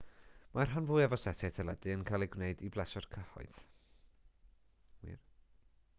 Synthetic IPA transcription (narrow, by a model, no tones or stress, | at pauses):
mar̥ɦanvʊɨɛvɔsɛtʰɛtʰɛlˠɛdɨənkʰalˠiɡwneɨdiblˠɛsɔrkʰəhɔ̰ɨθ | wḭr